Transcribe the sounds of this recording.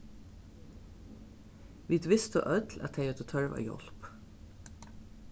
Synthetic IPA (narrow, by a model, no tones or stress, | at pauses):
ʋiːd̪ʋɪst̪əʔœt̪læ̰t̪ʰeɪəd̪uːt̪ʰœɹʋa̰ːjɔ̰l̥p